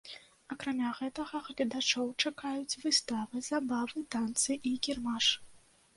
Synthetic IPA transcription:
ɐkɾamʲaɣɛt̪ɐɣɐɣlʲɐd̪at͡ʂɔwt͡ʂakajut͡sʲvɨst̪avɨzabavɨt̪ant̪sɨʔikʲirmaʂ

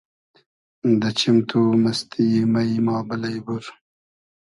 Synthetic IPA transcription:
d̪ət͡ʃimt̪ʰumɐst̪ʰimɐjmɑːbəlɐjbuɾ

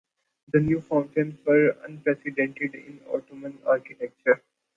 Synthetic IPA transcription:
d̪ənjuːfãʊ̃ɳʈẽɪ̃msʋəɾə̰̃npɾɛsɪɖẽɳʈɪɖɪ̰̃nɔ̰ːʈomə̃na̰ːɾkɪʈek̚t͡ʃəɾ

